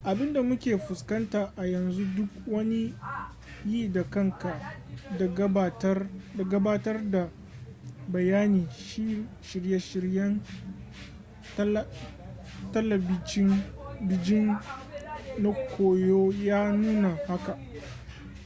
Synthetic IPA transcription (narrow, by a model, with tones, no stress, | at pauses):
ʔa˨bɪ˦nda˨mʊ˦kʲeː˨ɸʊ˨skɐ˦ntaː˨ʔa˨jɐ˨nzu˦dʊ˦k̚wɐ˦ni˦ | jiː˦˨da˨kɐ˦ŋka˨dɡta˨ɡɐ˦baː˦tɐ˦rda˨ | bɐ˨jaː˦niː˨ʃi˦ | ʃɪ˨ɾje˦ʃɪ˨ɽjɐ˦n | t | tɐ˦lɐ˨bɪ˦t͡ʃɪ˦nbɪ˦d͡ʒɪ˦n | na˦kʷʰoː˨joː˦jaː˦nuː˦na˨ha˦ka˨ʔ